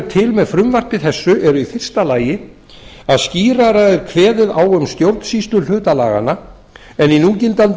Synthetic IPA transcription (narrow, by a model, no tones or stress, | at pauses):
ɾt̪ʰɪlmɛðfɾʏmvar̥p̪ɪθɛsːʏʔɛɾʏifɪr̥st̪alaːjɪ | aðsciːɾaɾaɛɾ̥kʰvɛːðɪðaːwʏmst̪jowɾt̪n̥siːst̪lʏlʏːt̪ala̰ːɣa̰na | ɛninuːcɪnt̪an